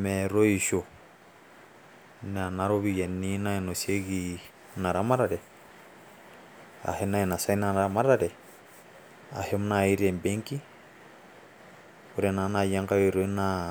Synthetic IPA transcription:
mɛɾo˦i˨ʃo˨ | na˨na˦ɾoβija˨ni˦na˦inose˦ɡi | na˨ɾa˦ma˦ɾaɾɛ˨ | a̰˨hena˦ina˨sa˦inana˨ɾa˨ma˦ɾaɾɛ˨ | a̰˨hem˦nai˦ɾe˨mbeŋki˦ | uɾɛna˨na˨ja˦ŋka˦jo˨ɾoi˦na

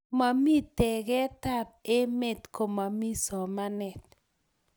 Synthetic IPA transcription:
ma˨mi˦tɛ˨ɡɛ˦ta˦p̚e˦me˦˨tko˨ma˨mi˦sɔ˨ma˦nɛ˨t̚

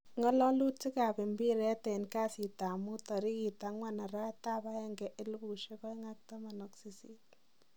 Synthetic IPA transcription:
ŋɔ˦lɔ˦lu˦ti˦ka˨pɪ˨mbi˦ɾɛ˦tɛ˨nka˦si˨ta˨mu˦tɔ˨ɾi˦ki˨ta˨ŋwa˦na˨ɾa˦ta˦ba˦ɛ˦ŋɡɛ˨ʔɪ˦lbu˨ʃe˦kɔ˦i˦ŋa˦k̚ta˦ma˨nɔ˨ksi˦si˦t̚

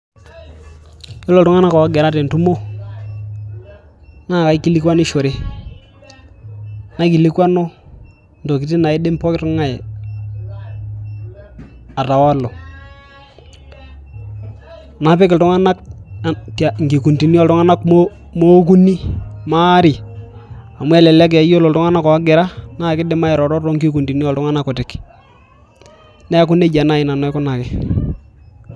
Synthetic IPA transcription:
jo˦lo˨ltʊ˦ŋa˦na˦kɔ˨a˦ɡɛ˨ɾa˦te˨n˨tu˦mo˦ | na˦˨ka˨i˦kːi˦li˦kwa˦ni˦ʃo˨ɾe˦ | na˦k̬i˨li˦kwa˦no˦ | ndo˨ki˨˦ti˦na˨i˦de˦m˦pɔ˦kɪ˦tu˦ŋa˦e˨ | a˨ta˨wa˦lo˨ | na˨˦pɪ˦kɪ˨tʊ˦ŋa˦na˦k̚ | ta˨ŋɡi˨ku˨nti˨ni˦ɔ˨ltʊ˦ŋa˦na˦kmo | mo˦k̬u˦ni˦ma˦ɾi˨ | a˨mwɛ˦lɛ˨lɛ˦k̬ɛ˨a˨˦jo˦lo˨ltu˦ŋa˦na˦kɔ˨a˦ɡɪ˨ɾa˦na˦˨kɪ˦dɪ˦ma˦ɛ˨ɾɔ˨ɾɔ˦tɔ˦ŋɡi˦ku˨nti˨ni˦jɔ˨ltʊ˦ŋa˦na˦kʊ˨tɪ˨k | ne˦a˦k̬ʊ˦ne˦d͡ʒa˨na˦˨ɪ˨na˨nɔ˨˦ɛ˦kʊ˦na˨kɪ˦

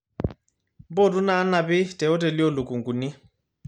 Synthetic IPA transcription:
bɔ˦˨du˦na˨˦na˨bɪ˦tʼɛ˨ɔ˦te˨li˦ɔ˦˨lʊ˨kʼu˨ŋɡu˨ni˦

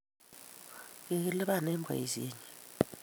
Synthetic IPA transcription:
kɛ˨˦lɛ˦ɓa˦˨nɛ˦mbʱa̰˨i˨zḭː˦ɲɛ

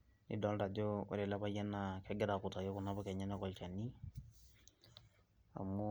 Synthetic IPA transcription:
nḭ˨dɔ˦lɾa˨d͡ʒo˦o̰˨ɾe˨la˦ba˦jɛ˦na˨kɛ˦ɡɛ˦ɾa˨kʊ˨ta˨jo˦kʊ˨na˦bɔ˦kɛ˨ɲɛ˦na˦kɔ˨lt͡ʃa˨ni˦ | a̰˨mu˦

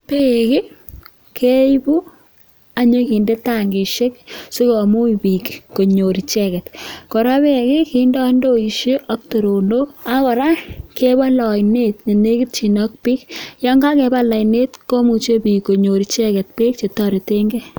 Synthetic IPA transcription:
pe˦kɪ˦ | kʰe˦jbu˦ | a˨ɲo˦ki˨nde˦ta˦˨ŋɡe˨ʃe˦ksu˦ko˨mu˦ipi˨kko˨ɲo˨ɾi˨t͡ʃɛ˦kɛ˨tkɔ˨ɾa˦pe˦˨kɪ˦ki˦ndɔ˦ndo˦i˨ʃe˦ʔɔ˦k̚to˨ɾo˨ndo˦a˦kɔ˨ɾa˦ke˦ba˦lɔ˨jne˦t̚ɲe˨ne˦kɪ˦t̚t͡ʃi˨nɔ˦k̚pi˦kjɔ˦ŋɡa˦kɛ˨ba˦la˨ine˦tko˦mu˨t͡ʃe˦pi˨ko˨ɲo˨ɾit͡ʃɛ˦kɛ˨t̚peː˦k̚t͡ʃe˨tɔ˦ɾe˨te˦ŋɡɛ˦

